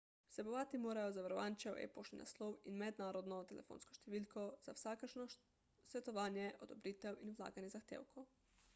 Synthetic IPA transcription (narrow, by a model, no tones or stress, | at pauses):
sɛboʋaːt̪imoːɾajɔzaʋaɾɔʋaːnt͡ʃɛwʔḛpoʃlina̰slowinmɛd̪naːɾɔd̪nɔt̪ɛlɛ̰fo̰ːnskɔ̥ʃt̪ɛʋiːlkʰoz̥awsaːkəʃnɔ | sʋɛt̪ɔʋaːnjɛʔod̪ɔbɾiːt̪ɛwinwla̰ːɡanjɛzaxt̪ḛːwkow